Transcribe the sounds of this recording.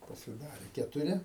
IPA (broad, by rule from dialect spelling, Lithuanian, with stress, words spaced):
pɐsʲɪˈdɑːrʲeː kʲɛtʊˈrʲɪ